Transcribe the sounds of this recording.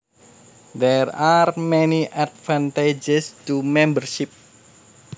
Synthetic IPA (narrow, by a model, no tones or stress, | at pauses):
d̪ɛrarmɛniʔatvãnt̪ed͡ʒɛst̪umɛ̃mbərʃip̚